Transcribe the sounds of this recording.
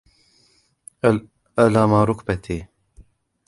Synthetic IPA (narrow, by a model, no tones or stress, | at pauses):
alaːmaːɾʊkbat̪ʰiː